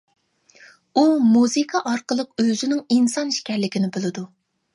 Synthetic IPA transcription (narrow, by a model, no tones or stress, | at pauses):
umuzɨkʰɑʔɑɾqəlˠəqøzynɪŋinsɑnʃkʲɛɾlɪkʲʰinɪbolˠɨd̪u